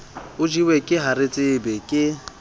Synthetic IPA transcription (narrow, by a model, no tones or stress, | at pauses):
ʊd͡ʒiwɛkʼɪɦaɾɪt͡sʼɪbɛkʼɪ